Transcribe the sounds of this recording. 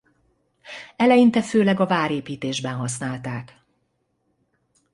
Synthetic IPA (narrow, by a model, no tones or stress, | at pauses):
ɛlɛjint̪ɛføːlɛɡɒvaːɾeːpiːt̪eːʒbɛnɦɒsnaːlt̪aːk